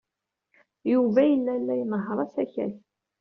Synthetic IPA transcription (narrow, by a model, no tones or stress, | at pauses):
juvæjəlːælːæjnəɦəɾˤɑsæçæ̰θ